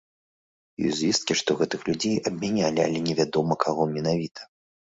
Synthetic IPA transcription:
jɔ̰jzʲvʲist̪̚kʲiʂt̪ɔɣɛt̪ɨxlʲud͡zʲejʔɐbʲmʲanʲalʲia̰lʲɛnʲɛvʲad̪ɔmɐkʰaɣɔmʲɛnavʲit̪ʰɐ̥

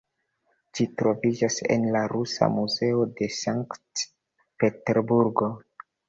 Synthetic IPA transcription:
d͡ʒitɾo̞vid͡ʒase̞̰nlaɾusa̰muze̞ode̞saŋkt | pe̞teɾbuɾɡo̞

